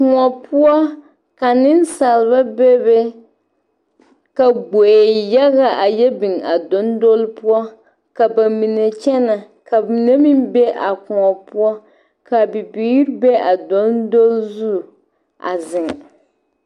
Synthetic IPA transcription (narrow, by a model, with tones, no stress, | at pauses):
ku˨ŋɔ˨pʰʊ˦ɔ˦ | ka˨nɪ˦n˦sa˨lɨ˨ba˦be˦be˦ | ka˨ɡ͡bo˨e˨ja˦ɣa˨ʔa˨jɛ˦bi˨ŋa˨do˦ndo˦lpu˦ɔ˦ | ka˨ba˨mi˨ne˨t͡ʃɛ˦na˨ | ka˨i˨ne˦mi˦mbɛ˦ʔa˨ku˨ŋɔ˨pʊ˦ɔ˦ | ka˨bi˨biː˦ɾbe˦a˨do˨˦ndo˦lzu˦˨ | ʔa̰˨zɪ˨ŋ